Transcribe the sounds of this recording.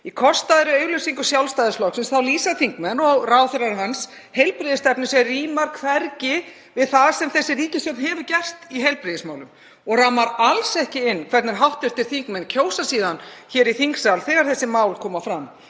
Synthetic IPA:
ikʰɔst̪aðɾɪœːɥɣlœsiŋkʏsjawlst̪ajðɪslɔksɪnsθawliːsaθiŋkmɛnɔɣraːwθɪɾaɾɦans | hejlpɾɪðɪst̪ɛpnɪsɛriːmaɾ̥kʰfɛɾcɪ | vɪðθaðsɛmθɛsːɪriːcɪst̪ɔt̪nhɛvʏcɛst̪iɦejlpɾɪðɪsmaːwlʏm | ɔɣɾamaɾalsɛhcɪɪnːkʰvɛɾt̪nɪɾ̥ɦawht̪ɪɾ̥t̪ʰɪl̥θiŋkmɛncʰoːwsasiːðançɛːɾiθiŋksalθɛːɣaɾ̥θɛsːɪmaːwlkʰɔːmafɾam

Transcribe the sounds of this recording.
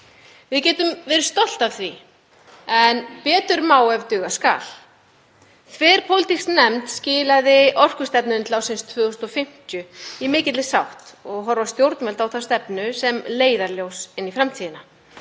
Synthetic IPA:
vɪðcɛːt̪ʏmvɛːɾʏɾ̥st̪ɔl̥t̪avθvi | ɛnpɛːt̪ʏɾmaːwɛvt̪ʏɣaska̰ːl̥ | θʰvɛːɾpʰowlɪt̪iksnɛmt̪scɪːlaðɪʔɔr̥kʏst̪ɛpnʏnt̪lawsɪnst̪ʰvœːʏsnɔfɪm̥t̪jʏimɪːcɪt̪lɪsawht̪ɔɣɦɔɾvast̪jowɾt̪nvɛlt̪awθast̪ɛpnʏsɛmleːjðaɾljowsɪnːifɾamt̪ʰiːðɪna

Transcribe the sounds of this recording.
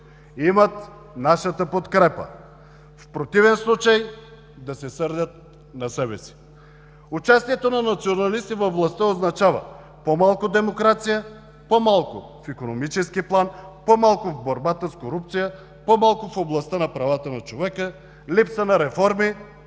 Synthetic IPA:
imɐt̪ | naʃət̪əpot̪kɾɛpə̰ | fpɾot̪ivɛnslˠut͡ʃaj | d̪asɛsɤɾd̪ʲət̪̚ | nɐsɛbɛsi̥ | ut͡ʃast̪ijɛt̪onanɐt̪sionɐlist̪ivɐvlˠɐst̪əoznɐt͡ʃavɐ̰ | pomalˠkʊd̪ɛmokɾat̪sijə | pomalˠkʊ̰fikonomit͡ʃɛskiplˠanpomalˠkʊvboɾbat̪əskoɾup̚t̪sijə | pomalˠkʊfoblˠɐst̪ənɐpɾavat̪ənɐt͡ʃovɛkə | lipsənɐɾɛfɔɾmi

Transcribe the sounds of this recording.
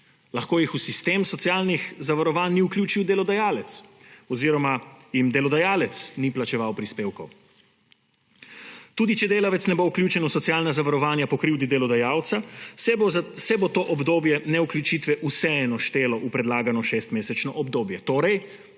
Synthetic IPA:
lɐxkoːjixusist̪eːmsɔt̪sjaːlnixzaʋaɾɔʋaːnːiuklʲjuːt͡ʃiwd̪ɛlɔd̪ajaːlɛt̪sɔziɾɔmajimd̪ɛlɔd̪ajaːlɛt̪sniplat͡ʃɛʋawpɾispeːwkɔw | t̪uːd̪it͡ʃɛd̪eːlaʋɛt̪snɛbowklʲjuːt͡ʃɛnusɔt̪sjaːlnazaʋaɾɔʋaːnjapɔkɾiwd̪id̪ɛlɔd̪ajaːwt̪sa | sɛbot̪oːʔɔbd̪oːbjɛnɛuklʲjut͡ʃiːt̪ʋɛʔusɛɛnɔʃt̪eːlɔʔupɾɛd̪laːɡanɔʃest̪meːsɛt͡ʃnɔʔɔbd̪oːbjɛt̪oːɾɛj

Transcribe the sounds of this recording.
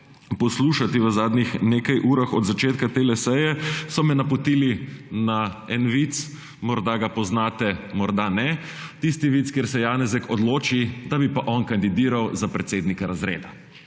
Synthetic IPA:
pɔsluːʃat̪iʋəzaːd̪nixneːkajʔuːɾaxɔ̰d̪zat͡ʃeːt̪kat̪elɛsɛjɛsɔmɛnapɔt̪iːlinaɛnʋit̪s | mɔɾd̪aɡapɔznaːt̪ɛmɔɾd̪anɛ | t̪ist̪iʋit̪skeːɾsɛjaːnɛzɛkɔd̪loːt͡ʃid̪abipaʔɔnkand̪id̪iːɾawzapɾɛt̪seːd̪nikaɾazɾḛːd̪a

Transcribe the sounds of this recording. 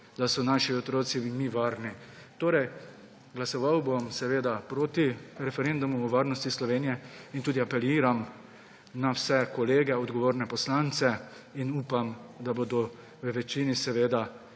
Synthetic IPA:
d̪̥asɔnaːʃiɔt̪ɾoːt̪simiʋaːɾni | t̪oːɾɛj | ɡlasɔʋawbomsɛʋeːd̪apɾoːt̪iɾɛfɛɾend̪umuːʋaːɾnɔst̪islɔʋeːnijɛint̪uːd̪iapɛliːɾam | nawsɛkɔleːɡɛɔd̪ɡɔʋoːɾnɛpɔslaːnt̪sɛ | inuːpamd̪abod̪ɔ | ʋəʋɛt͡ʃinisɛʋeːd̪a

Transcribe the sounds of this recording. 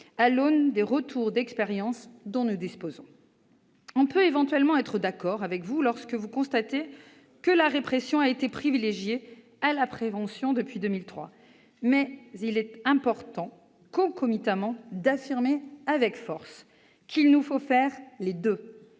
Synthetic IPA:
alond̪eʁət̪ʰuʁd̪ɛkspeʁjɑ̃sd̪ɔ̃nud̪ispozɔ̃ | ɔ̃pøevɑ̃t̪ɥɛlmɑ̃ɛt̪χəd̪akɔʁavɛkvulɔʁskəvukɔ̃st̪at̪e | kəlaʁepχesjɔ̃aet̪epχivileʒje | alapχevɑ̃sjɔ̃d̪əpɥid̪ømilt̪χwa̰ | mɛzilɛt̪ɛ̃pɔʁt̪ɑ̃ | kɔ̃kɔmit̪amɑ̃d̪afiʁmeavɛkfɔʁs | kʲʰilnufofɛʁled̪ø

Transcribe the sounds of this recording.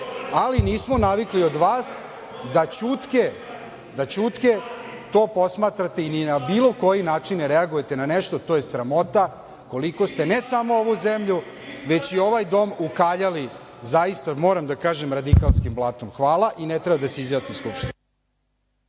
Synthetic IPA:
aliniːsmonaʋikliod̪ʋaːs | d̪at͡ɕut̪ke | d̪at͡ɕut̪ke | t̪o̞ːpo̞smaːt̪ɾat̪e̞ininabiːlo̞ko̞jinaːt͡ʂinɾeaɡujet̪enaneʂt̪o̞t̪oːjesɾamo̞t̪a | ko̞liko̞st̪e̞nesamo̞oʋuzemʎu | ʋe̞t͡ɕio̞ʋajd̪o̞ːmukaːʎali | zajist̪amo̞ːɾamd̪akaːʒemɾad̪ikalˠskimblˠaːt̪omxʋaːlˠaʔinet̪ɾɛbad̪aseizjaːsniskupʃt̪ino

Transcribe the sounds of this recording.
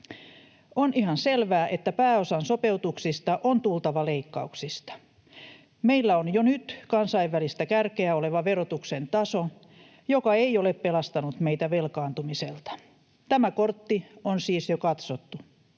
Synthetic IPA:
onʔihɑnselʋæːʔet̪ːæpæːosɑnsopeut̪uksist̪ɑʔont̪ult̪ɑʋɑleikːɑuksist̪ɑ̥ | meilːæonjonyt̪kɑnsɑiʋʋælist̪ækærkeæoleʋɑʋerot̪uksent̪ɑso | jokɑeioleppelɑst̪ɑnut̪meit̪æʋelkɑːnt̪umiselt̪ɑ̥ | t̪æmækort̪ːionsiːsjokɑt̪sot̪ːu

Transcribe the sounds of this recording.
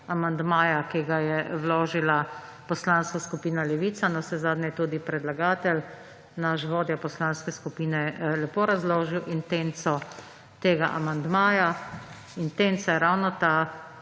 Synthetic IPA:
amand̪maːjakiɡajɛwloːʒila | pɔslanskaskupiːnalɛʋiːt̪sanɔsɛzaːd̪nʲɛjɛt̪uːd̪ipɾɛd̪laɡaːt̪ɛl | naʃʋoːd̪japɔslaːnskɛskupiːnɛlɛpoːɾazloːʒiwʔint̪ent̪sɔ | t̪eːɡaʔa̰mand̪maːja | int̪ent̪sajɛɾawnɔt̪a

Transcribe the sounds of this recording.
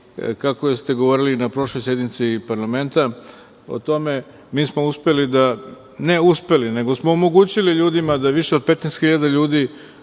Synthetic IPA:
kakojest̪e̞ɡo̞ʋo̞ːɾilinapɾo̞ʃlˠo̞jsje̞d̪nit̪sipaɾlame̞nt̪a | o̞̰t̪o̞me̞ | miːsmo̞uspe̞lid̪a | ne̞uspe̞line̞ɡo̞smo̞ːmo̞ɡuːt͡ɕiliʎuːd̪imad̪aʋiʃe̞o̞d̪̚pe̞t̪nest̪xiʎad̪aʎuːd̪i

